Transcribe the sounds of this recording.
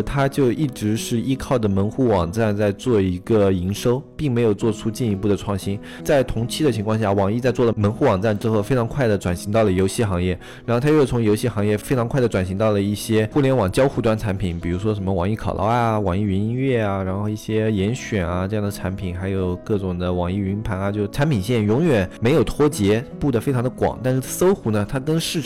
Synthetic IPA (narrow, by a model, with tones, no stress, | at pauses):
t̪ʰa˥t͡ɕjo˥˧ʊʔi˥˩ʈ͡ʂɻ̩˧˥ʂɻ̩˥˩i˥kʰɑ˥˩ʊd̪ə˩mə˧˥nxu˥˩wɑ˨˩ŋʈ͡ʂa˥˧nt͡sa˥˧ɪt͡swɔ˥˩i˧˥ɡə˧i˧˥ŋʂo˥ʊpi˥˩ŋme˧˥ɪjo˨˩ʊt͡swɔ˥˧˩ʈ͡ʂʰu˥t͡ɕi˥˩ni˧˥pu˥˩d̪ə˩ʈ͡ʂʰwɑ˥˩ŋɕi˥n | t͡sa˥˩ɪt̪ʰʊ˧˥ŋt͡ɕʰi˥d̪ə˨t͡ɕʰi˧˥ŋkʰɑ˥˧ŋɕja˥˩wɑ˨˩ŋi˥˧t͡sa˥˧ɪt͡swɔ˥˩lə˩mə˧˥nxu˥˩wɑ˨˩ŋʈ͡ʂa˥˩nʈ͡ʂɻ̩˥xo˥˩ʊfe˥ɪʈ͡ʂʰŋkʰwa˥˩ɪd̪ə˩ʈ͡ʂwa˨˩nɕi˧˥ŋt̪ɑ˥˩ʊlə˩jo˧˥ʊɕi˥˩xɑ˧˥ŋjɛ˥˩ | ɻa˧˥xo˥˧t̪ʰa˥jo˥˩t͡sʰʊ˧˥ŋjo˧˥ʊɕi˥˩xɑ˧˥ŋjɛ˥˩fe˥ɪʈ͡ʂʰɑ˧˥ŋkʰwa˥˩ɪdə˩ʈ͡ʂwa˨˩nɕi˧˥ŋt̪ɑ˥˩ʊlə˩i˥˩ɕjɛ˥xu˥˩ljɛ˧˥nwɑ˨˩ŋt͡ɕjɑ˥ʊxu˥˧t̪wa˥˩nʈ͡ʂʰa˧˥npʰi˨˩˦npi˨˩ɻu˧˥ʂwɔ˥ʂə˧˥nmə˧wɑ̰˨˩ŋi˥˩kʰɑ˨˩ʊlʔɑ̰˥a˧wɑ˨˩ŋi˥˩i˧˥ni˥nɥɛ˥˩a˩ɻa˧˥nxo˥˧ʊi˥˩ɕjɛ˥jɛ˧˥nɕɥɛ˨˩nɐ˦ʈ͡ʂɤ˥˧jɑ˥˩ŋd̪ə˩ʈ͡ʂʰa˧˥npʰi˨˩nxa˧˥ɪjo˨˩ʊkɤ˥˩ʈ͡ʂʊ˨˩ŋd̪ə˦wɑ˨˩ŋi˥˩y˧˥npʰa˧˥nɐ˧t͡ɕjʊʈ͡ʂʰa˧˥npʰi˨˩nɕjɛ˥˩njʊ˧˥ŋɥɛ˨˩nme˧˥ɪjo˨˩ʊt̪ʰwɔ˥t͡ɕjɛ˧˥pu˥˩d̪ə˩fe˥ɪʈ͡ʂʰɑ˧˥ŋd̪ə˧kwɑ̰˨˩˦ŋt̪a˥˧nʂɻ̩˥˩˥so˥ʊxu˧˥nə˧t̪ʰa˥kə˥nʂɻ̩˥˩